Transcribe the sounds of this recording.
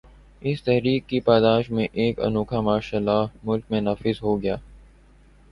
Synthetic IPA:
ɪst̪ɛɦɾiːkːipaːd̪aːʃmẽʔeːkɐ̰nuːkʰamaːʃaːlːaːmʊlk̚mẽnaːfɪzɦoɡɐjaː

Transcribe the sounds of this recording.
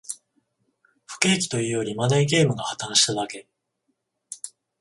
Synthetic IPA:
ɸɯ̟̥ke̞ːkʲi̥t̪o̞jɯ̟ːjo̞ɾʲimanaiɡʲe̞ːmɯ̟ɡahat̪ãɰ̃ɕi̥t̪ad̪ake̞

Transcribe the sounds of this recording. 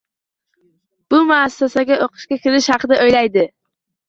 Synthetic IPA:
b̥ʊmaːsːasaɡʲaoqɨ̥ʃkʲakʲʰɪlɪʃhɑqʰɨd̪aʔojlajd̪ɪ

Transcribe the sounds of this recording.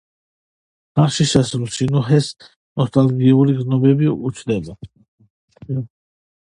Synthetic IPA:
aχʃiʃɛsɾusinuɦɛs | nɔst̪ʼalɡiuliɡznɔbɛbiut͡ʃʰd̪ɛba

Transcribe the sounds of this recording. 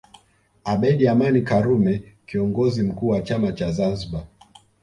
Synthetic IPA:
aɓɛɗiamanikaɾumɛkiɔŋɡɔzim̩kuːwat͡ʃamat͡ʃazanziɓa

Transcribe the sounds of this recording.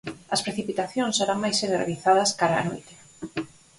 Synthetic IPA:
ɐspɾeθipit̪aθjõnseɾaŋmajseðorḛβiθað̞ɐskaɾaa̰ːno̰jt̪e̥

